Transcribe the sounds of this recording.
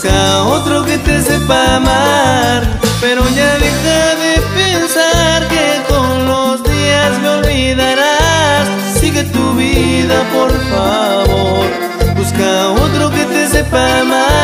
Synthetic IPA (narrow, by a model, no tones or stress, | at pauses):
kaot̪ɾoket̪esepamaɾpeɾoʝaðexaðepensaɾkekoŋlozðiasmeolβiðaɾas | siɣet̪uβiðapoɾfaβoɾ | buskaot̪ɾoket̪esepama